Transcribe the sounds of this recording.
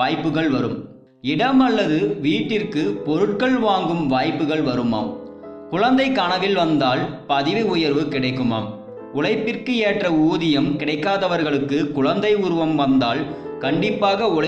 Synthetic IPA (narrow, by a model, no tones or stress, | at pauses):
aːjpːɯɣɐɭʋɐɾɯm | ɪɽɐmɐɭːɐðɯʋiːʈːɪrkɯpɔɾɯʈ̚kɐɭʋaːŋɡɯmʋaːjpːɯɣɐɭʋɐɾɯma̰ːm | kʊɻɐnd̪ɐɪkaːɳɐʋɪlʋɐnd̪aːlpɐðɪʋɪʊjɐɾʋɯkɪɽɐɪkːɯma̰ːm | ʊɭɐɪpːɪrkɯeːʈrɐuːðɪjɐmkɪɽɐɪkːaːðɐʋɐɾɣɐɭɯkːɯkʊɻɐnd̪ɐɪʊɾɯʋɐmʋɐnd̪aːl | kɐɳɖɪpːaːɣɐʊɭɐ